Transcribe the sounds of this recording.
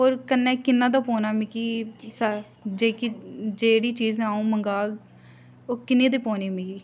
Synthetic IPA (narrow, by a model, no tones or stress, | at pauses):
ɦoːɾkənːɛ̃ːkɪnːãːd̪aːpoːnaːmikiːsə | d͡ʒeːkid͡ʒeːɽiːt͡ʃiːzãːũːməŋɡaːɡ | oːkɪnːẽːd̪eːpoːneːmiːkiː